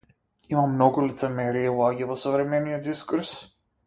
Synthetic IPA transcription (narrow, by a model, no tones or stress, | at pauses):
imamːnɔɡulit̪sɛmɛɾiavlˠaɡʲɛvɔsɔvɾɛmɛniɔt̪d̪iskuɾs